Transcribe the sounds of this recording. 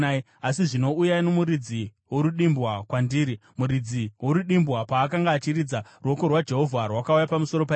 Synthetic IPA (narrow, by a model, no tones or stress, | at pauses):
asiʐino̞ujainomuɾid͡zi | woɾuɗimbwakwandiːɾimuɾid͡ziwoɾuɗimbwapaːkaŋɡaːt͡ʃiɾid͡zaruwokorwad͡ʒe̞ɦo̞vʱarwakaujapamuso̞ɾo̞p̬a